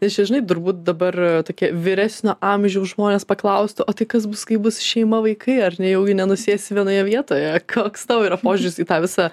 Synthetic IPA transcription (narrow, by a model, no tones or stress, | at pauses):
nʲɛst͡ʃʲɛʒʲɪnɐɪt̪ʊɾbuːt̪̚d̪ɐbɐrt̪oːkʲiɛʋʲɪɾʲæsʲnʲoːʔɑmʲʒʲɛʊʒmoːnʲeːspɐklˠɐʊsʲt̪ʲɪʔoːt̪ɐɪkɐs̬bʊskɐɪbʊsʃʲɛɪmɐʋɐɪkʰɐɪɐrʲnʲɛjɛʊɡʲɪnʲɛnʊsʲeːsʲɪʋʲiɛnoːjɛʋʲiɛt̪oːjɛkʰoːkst̪ɑʋoːiɾɐpoːʒʲʊɾʲɪsiːt̪ɑːʋʲɪsɑ